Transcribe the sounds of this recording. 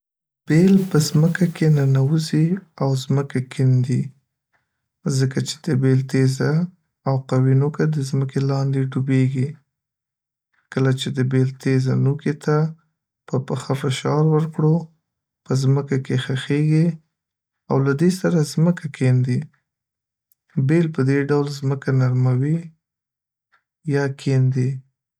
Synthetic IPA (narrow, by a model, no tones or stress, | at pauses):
b̥elpəzməkakʰenanawuziawzməkakʰɪnd̪i | zəkat͡ʃe̥d̪̥əbelt̪ezaː | wqawinokad̪əzməkelɑnd̪eɖubeɡi | kəlat͡ʃed̪əbelt̪ʰezanuket̪a | pəpəxafɪʃɑɾwəɾkɽo | pəzməkakexaxeɡi | a̰wlad̪esaɾazməkakʰend̪i | belpəd̪eɖawlzməkanaɾmawi | jɑkʰend̪i